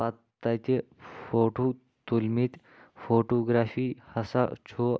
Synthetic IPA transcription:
at̪ːat͡ɕe | foʈu | t̪ulmiːt̪ | foʈoɡɾafiːhəsat͡ɕʰo

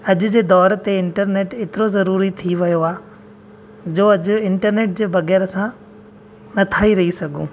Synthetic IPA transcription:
ɐʄʊ̆d͡ʑeːd̪ɔːɾt̪eɪ̃ɳʈəɾneːʈet̪ɪɾozɐɾuːɾit̪ʰiʋɐjoaː | d͡ʑoːɐd͡ʑʊ̆ɪ̃ɳʈəɾneːʈ̚d͡ʑeːbɐɣɛːɾsã | nɐt̪ʰaːiɾɐɦisɐɡʱṵ̃ː

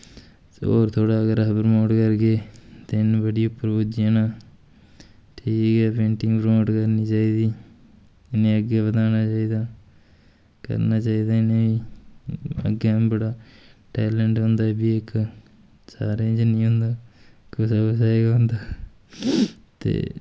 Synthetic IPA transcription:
o̰ːɾt̪ʰoːɽaːəɡəɾəpəɾmoːɖkəɾɡeːt̪eɪnbəɽiːʊpːəɾboːd͡ʒɪjãːnãː | ʈʰiːkɦɛːpẽːɳʈɪ̃ŋɡpɾmoːɖkəɾniːt͡ʃaːiːd̪iː | ɪnẽːəɡeːbət̪aːnaːt͡ʃaːiːd̪aː | kə̰ɾnaːt͡ʃaːiːd̪aːɪnẽːiː | ə̰ɡeːbəɽaːʈɛːləɳʈɦʊ̃nd̪aːɛːbiːek | sa̰ːɾeːd͡ʒnĩːɦʊ̃nd̪aːkʊsaːkʊsaːeːɡaɦnd̪aː | t̪ḛː

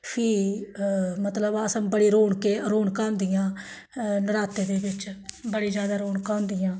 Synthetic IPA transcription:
pʰiː | mət̪ləbəsə̃bəɽiːɾoːɳkeːɾoːɳkãːnd̪ɪjãː | nəɾaːt̪eːd̪eːbɪt͡ʃbəɽiːd͡ʒjaːd̪aːɾoːɳkãːnd̪ɪjãː

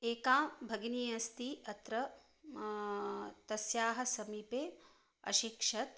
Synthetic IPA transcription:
eːkaːmbʱɐɡnijɐst̪iɐt̪ɾɐ | t̪ɐsjaːɦɐ̆sɐmipeː | ɐ̰ʃikʂɐt̪

